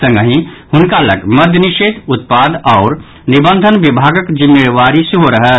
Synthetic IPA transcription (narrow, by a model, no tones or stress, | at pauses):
ə̃ŋɡəɦĩhʊnkalɐ̰ɡmɐd̪ʱjənɪʃeːd̪ʊt̪paːd̪ɔːɾ | nɪbə̃nd̪ʱənʋɪbʱaːɡəkd͡ʒɪmjeʋaːɾisɦoɾɐɦə